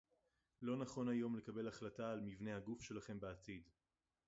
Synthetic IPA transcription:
lo̞naχo̞najo̞mle̞kabe̞laχlataːlmivne̞haɡufʃe̞laχe̞mbeatid

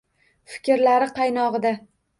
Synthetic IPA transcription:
fɪ̥kʲɪɾlaɾɪqʰɑjnɒʁɨd̪a

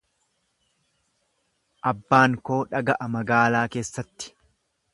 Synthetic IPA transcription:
ʔɐbːaːŋko̞ːᶑɐɡɐʔɐmɐɡaːlaːke̞ːsːɐt̪ːɪ̥

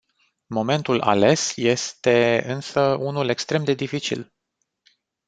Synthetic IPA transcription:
mo̞me̞nt̪ulʔa̰le̞sje̞st̪e̞ɨnsəunule̞kst̪ɾe̞md̪e̞d̪ifit͡ʃḭl

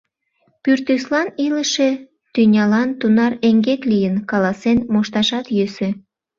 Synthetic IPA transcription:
pyrt̪yslɑniləʃe | t̪ynʲɑlɑnt̪unɑreŋɡeklijənkɑlɑsenmoʃt̪ɑʃɑt̪jøsø

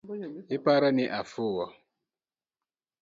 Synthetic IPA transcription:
ɪpaɾanɪʔafʊwɔ

